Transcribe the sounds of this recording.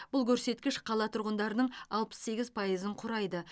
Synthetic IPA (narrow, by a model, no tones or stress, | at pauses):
b̥ʊlˠkʲʰɵɾse̞t̪kʲɪʃqʰɑlˠɑt̪ʰʊɾʁənd̪ɑɾənəɴɑlˠpə̥sːe̞ɡʲɪzpʰɑjəzəɴqʰʊɾɑjd̪ə